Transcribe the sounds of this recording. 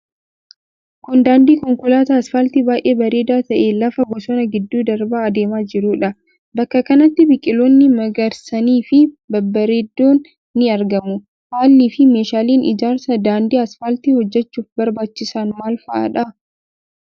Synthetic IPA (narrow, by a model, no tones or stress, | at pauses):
kʊnd̪aːnd̪iːkɔŋkʊlaːt̪ɐːsfalt̪ibaːjʔe̞ːbɐɾe̞ːd̪aːt̪ɐʔeːlɐfɐɡɔsɔnɐɡɪd̪ːuːd̪ɐɾbaːɐd̪e̞ːmaːd͡ʒɪɾuːᶑɐ | bɐkːɐkɐnɐt̪ːɪbɪkʼɪloːnːɪmɐɡɐɾsɐniːfɪ | bɐbːɐɾeːd̪ːoːnː | ɪɐɾɡɐmʊ | haːlːɪfɪmeːʃaːliːnʔɪ̰d͡ʒaːɾsɐd̪aːnd̪iːɐsfaːlt̪ihɔd͡ʒːɛt͡ʃːuːfbɐɾbaːt͡ʃːɪsaːnmaːlfɐʔa̰ːᶑɐ